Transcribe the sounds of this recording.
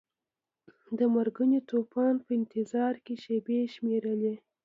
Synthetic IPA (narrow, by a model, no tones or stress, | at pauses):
d̪əmaɾɡənot̪opɑnpəɪnt̪ɪzɑɾkeʃebeʃmeɾəle